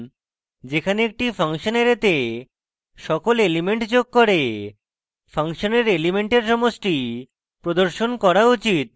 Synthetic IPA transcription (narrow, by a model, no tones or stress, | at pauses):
d͡ʑekʰaneek̚ʈifʰaŋʃoneɾet̪e | ʃɔkolelimeɳʈd͡ʑoɡ̚kːoɾe | fʰaŋʃoneɾelimeɳʈeɾʃɔmoʃʈi | pɾod̪oɾʃonkɔɾaut͡ɕit̪̚